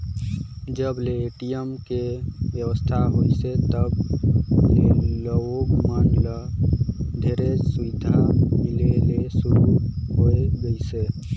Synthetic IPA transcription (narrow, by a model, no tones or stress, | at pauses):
d͡ʒəbleːʈijəmkebjəwəst̪ʰaɦojset̪əb | leləokmənlə | d̪ʱeɾesuʋid̪ʱamilelesuɾuɦojeɡəjse